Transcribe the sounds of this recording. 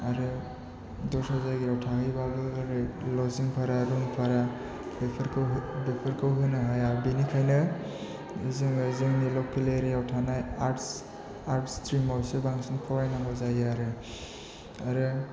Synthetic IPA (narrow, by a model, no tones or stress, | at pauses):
aɾɯ | dɔsazaɡiɾawtʰakɯjbabɯɾɯlɔziŋpʰaɾaɾuŋpʰaɾa | bepʰɾkʰɯwɦbepʰɯɾkʰɯwɦɯnɯɦajabinikʰajnɯ | izɯŋɯzɯŋnilɔkʰːileɾijawtʰanajaɾts | aɾtstʰɾimɔwsebaŋsiŋpʰɔɾajnaŋɔzajaɾɯ | aɾɯ